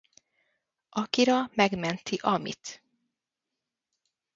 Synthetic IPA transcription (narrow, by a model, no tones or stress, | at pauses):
ʔɒkiɾɒmɛɡmɛnt̪iʔɒmḭt̪